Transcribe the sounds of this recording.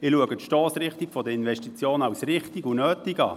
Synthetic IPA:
ɪluəɡətʃtɔːsɾɪχtikfɔdəɪnvɛʃtit͡sjoːnɑwsrɪχtiɡunøːtiɡɑ̰ː

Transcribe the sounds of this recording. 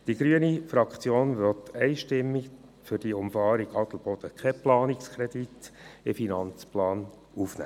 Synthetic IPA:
d̥iɡ̥ɾyənifɾɑkt͡sjoːnʋɔtʰɛɪʃtɪmːi | fʏɾd̥iʊmfɑːɾiɡɑt̪l̩b̥ɔd̥̪əkʰɛplɑːnikskʰɾɛd̪it̪ɪfinɑnt͡splɑːn | ufnæ̰ː

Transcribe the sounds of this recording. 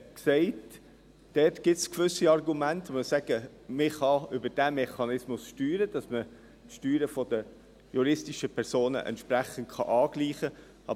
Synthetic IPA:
ksɛɪt | d̥ɛːtɡ̥ɪtskʋʏsiɑrɡumæntməsæɡ̥ə | mɪχɑʏbəd̥æmɛχɑnɪsmʊsʃtyːɾəd̥ɑsmə | tʃtyːɾəfɔdə | juɾɪstiʃəpʰɛɾsoːnə̰ʔɛ̰ntʃpɾæχən̩t̚χɑ̰ʔɑːɡ̥liːχə | ɑ

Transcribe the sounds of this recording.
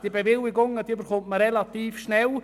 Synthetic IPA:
d̥iəbevɪlɪɡʊŋədiːbəɾχʊntməɾɛlat̪iːfʃnɛl

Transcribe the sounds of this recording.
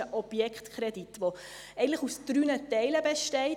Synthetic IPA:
əʔɔb̥jɛkχtkʰɾɛd̥itʋo | ɛɪən̩tləχusd̥ɾynətɛɪləbɛʃtɛɪ

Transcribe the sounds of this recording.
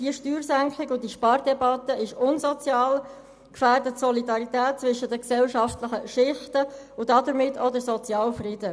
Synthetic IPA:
d̥iəʃtyːɾsæŋklɪkʊdiʃpɑːɾdɛbɑt̪ːəɪʃʊnzɔt͡sjɑːl | kfæːrdətsɔlidɑʁitɛːt̚t͡sʋʏʃədəksɛlʃɑftləχəʃɪχtə | ʊd̥ɑdəɾmɪtːodəsɔt͡sjɑːlfrɪdə

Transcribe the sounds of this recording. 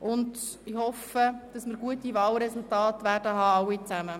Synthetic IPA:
ʔʊnd | ɪhɔfəd̥ɑsməɾɡ̥uətivɑːlɾɛsultɑːtʋæːrdəɦɑːɑwit͡sæmə

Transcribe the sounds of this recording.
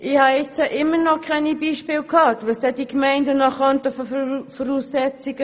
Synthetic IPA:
ʔɪhɑɛt͡səʔɪmːənɔkʰʁɛnibiːʃpɪːlkʰɑːtʋəsd̥ɛd̥ikmɛɪndənɑχɔntəfɔfɔɾuːsːɛt͡siɡ̥ə

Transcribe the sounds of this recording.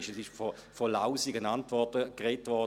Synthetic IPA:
ʃɛsɪʃfɔfɔlaʊsiɡənantʋɔɐtəkʁɛːtʋɔ

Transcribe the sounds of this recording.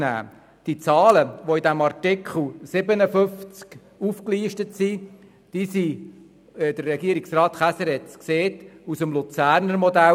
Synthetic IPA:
næ̰ː | d̥it͡sɑːləʋoidæmɑrtɪkχl̩sɪbənəfʏft͡sk | ufkliːʃtətsi | d̥isi | d̥̪ərːɛɡiːəɾiksrɑːt̪χæsɛɾɛt͡skseːtusəmlut͡sæːɾnəɾmɔd̪æ

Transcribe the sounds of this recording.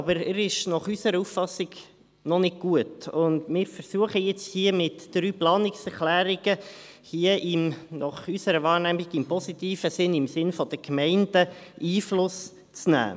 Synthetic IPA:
ɑbəɾəɾɪʃnɑχysəɾəufɑsːɪɡ̥ | nɔnɪɡ̚ɡ̥uətʊnd̪mɪːɾfəɾsuəχəjɛt͡shiəmɪtd̥ɾyːplɑːnɪksɛɾχlæːɾiɡə | hiːəʔɪmnʔɑχysəɾəvɑːɾnæmiɡ̥ɪmpɔsit̪iːfəsɪnɪmsɪnfɔd̥̪əkmɛɪndəiːflʊs | t͡snæ̰ː

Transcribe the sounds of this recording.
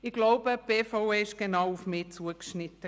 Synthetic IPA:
ɪɡlaʊbəb̥eːfɔʊeːɪʃɡ̥enaʊufmɪːt͡suəkʃnɪtə

